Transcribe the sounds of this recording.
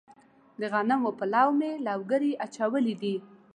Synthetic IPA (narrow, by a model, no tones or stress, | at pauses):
d̪əɣanamopəlɑwmelawɡəɾiʔat͡ʃawəlid̪i